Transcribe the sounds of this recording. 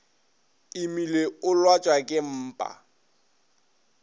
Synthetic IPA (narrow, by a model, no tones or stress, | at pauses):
ɪmileʊlwat͡ʃʼwakʼɪm̩ːpʼa̰